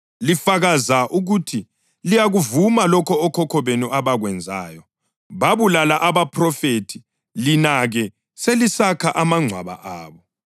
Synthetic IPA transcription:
lifaɣazaʔuɣutʰi | lijaɣuvumalɔkʰɔːkʰɔkʰɔβenuʔaβaɣwɛnd͡zʱa̰ːjɔ | βaβulalaʔaβapʰrɔfetʰi̥ | linaɣɛ | selisakʰaʔamaŋ͡ǀʱwa̰βa̰ʔaːβɔ

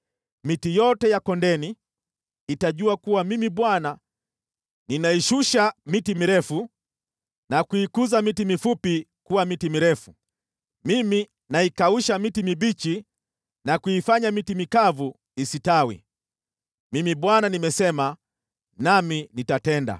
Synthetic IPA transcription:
mitijɔtɛjakɔndɛniː | taʄuakuwamimiɓwana | ninaiʃuʃamitimiɾɛfu | nakuikuzamitimifupikuwamitimiɾɛfu | mimi | naikauʃamitimibit͡ʃi | nakuifaɲamitimikavu | isitawḭ | mimiɓwananimɛsɛma | naminitatɛnda̰

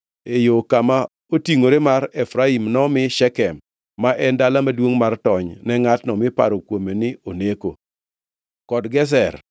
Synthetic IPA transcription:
ejokama | otiŋoɾemaɾɛfɾaimnɔmɪʃɛkɛmː | aʔɛndalamadwoŋmartɔɲnɛŋatnɔmɪpa̰ɾokwomenɪoneko | kɔdɡɛs̬ɛr

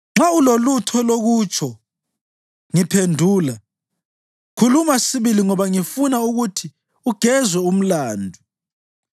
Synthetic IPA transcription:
ŋ͡ǁaulolutʰɔloɣut͡ʃʰɔ | ŋipʰendʱuːla | kʰulumasiβiliŋɔβaŋifunauɣutʰi | uɡ̥ʱɛzwɛum̩laːndʱu

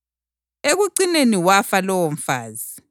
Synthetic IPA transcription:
eɣuǀineniwafalɔwɔm̩faːzi

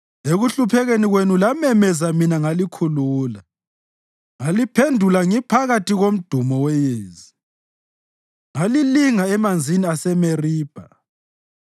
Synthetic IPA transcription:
eɣuɬupʰɛɣeniɣwenulamɛmɛzaminaŋalikʰuluːla | ŋalipʰendʱulaŋipʰaɣatiɣom̩d̥ʱumɔwɛjeːzi | ŋaliliŋaɛmand͡zʱiniasɛmeriːb̥ʱa

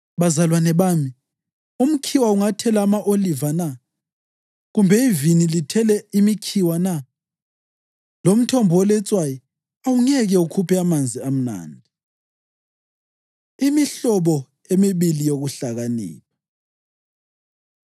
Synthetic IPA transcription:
βazalwanɛβaːmi | um̩kʰiwauŋatʰɛlaːmaʔolivana | ɣumbʱɛivinilitʰɛlɛimikʰiwana | lom̩tʰɔmbʱɔwɔlɛt͡sʼwajɔ | awuŋɛɣɛukʰupɛamand͡zʱiam̩na̰ːndʱi | imiɬɔβɔ | emiβilijoɣuɬaɣanḭːla

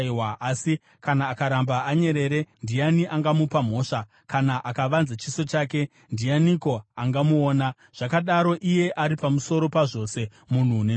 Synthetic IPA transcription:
waasi | kanaːkaɾambaaɲe̞ɾe̞ɾe̞ndianiʔaŋɡamupam̤o̞ːʂa | kanaʔakaʋanzat͡ʃiso̞t͡ʃaːke̞ | ndijaniko̞aŋɡamuoːna | ʐ̥akaɗaɾo̞ʔije̞ʔaɾipamuso̞ɾo̞paʐo̞se̞ | mun̤une

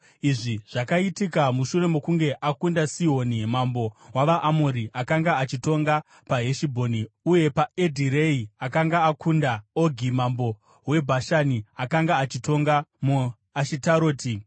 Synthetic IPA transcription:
iʐiʐ̥akaitikamuʃure̞mokuŋɡe̞ʔakundasiɦo̞ːnimambo̞waʋaʔːmoɾiʔakaŋɡaat͡ʃito̞ŋɡa | paɦeʃibʱoniuje̞pae̞dʱiɾe̞iakaŋɡaːkʰundaoɡʱimambo̞ | we̞bʱaʃaniakaŋɡaːt͡ʃito̞ŋɡamu | aʃitaɾo̞ːti

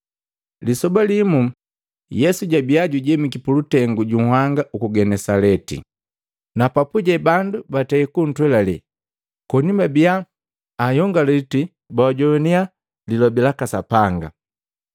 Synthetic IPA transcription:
lisɔbalimu | jɛsuɟabiaɟuɟɛmikipulutɛŋɡuɟuŋhwaŋɡaʔukuɡɛnɛsalɛtḭ | napapuɟɛbandubataikun̩twɛlalɛ̰ | kɔɲimabiaː | jɔŋɡalɛti | bawaɟɔnia | lilɔbilakasapaŋɡa̰

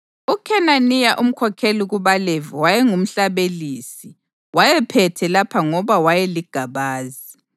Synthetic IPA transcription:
ukʰɛnanijaʔum̩kʰɔkʰeliɣuβalɛvɔwajɛŋum̩ɬaβelisi | wajɛpʰɛtʰɛlapʰaŋɔβawajɛliɡ̥ʱaβaːzi

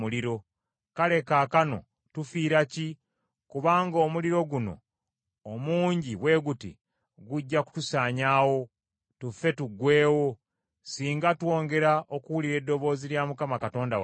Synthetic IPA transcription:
muliɾo̞ | kale̞kaːkano̞̰ | tufiːɾaci | kuβaːŋɡo̞ːmuliɾo̞ɡuno̞̰ː | muːɲɟiwe̞ːɡutḭ | ɡuɟːaku̥tusaːɲaːwo̞ | tufe̞tuɡwe̞ːwo̞ | siːŋɡatwo̞ːŋɡe̞ɾaʔokuwuliɾe̞dːo̞βo̞ːziljamukamakato̞ːndaw

